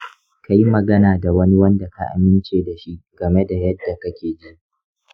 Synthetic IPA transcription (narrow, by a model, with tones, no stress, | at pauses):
ka˦ji˦mɐ˨ɡɐ˦naː˨da˨wɐ˦ni˦wɐ˦nda˨ka˦˨ʔa̰˨mɪ˦nt͡ʃeː˨da˨ʃi˦ɡ̥ɐ˨me˦da˨jɐ˦dːa˨kɐ˦kʲeː˨d͡ʒi˦ʔ